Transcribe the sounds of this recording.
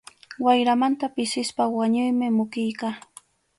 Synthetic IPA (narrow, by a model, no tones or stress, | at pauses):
wajɾamant̪apɪsɪspawaɲʊjmɪmʊkɪjkaː